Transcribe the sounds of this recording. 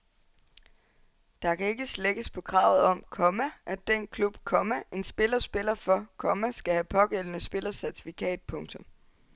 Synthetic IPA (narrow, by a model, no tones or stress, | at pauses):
d̥ɑ̈kʰæe̝ɡ̥əsleɡ̥əspʰɒ̽kʰʁɑ̈ːʊð̩ˠɒ̽m̰kʰɒ̽mæʔæd̥enkʰlub̥kʰɒ̽mæʔe̝nsb̥e̝lɐsb̥e̝lɐfɒ̽kʰɒ̽mæsɡ̥æhæpʰɒ̽ɡ̥el̰ənəsb̥e̝lɐsæɐt͡sʰi̥fikʰɛ̰ːd̥̚pʰɔ̽ŋt͡sʰɔ̽m